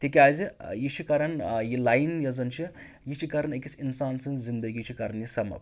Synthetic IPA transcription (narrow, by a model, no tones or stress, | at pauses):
t̪ikʲaːzijit͡ʃʰikɐɾɐnjilajnjɐzɐnt͡ʃʰi | jit͡ʃʰikɐɾɐnekʲit͡sʰʲinsaːnsɨnzzind̪ɐɡit͡ʃʰikɐɾɐnjisɐmɐ̰b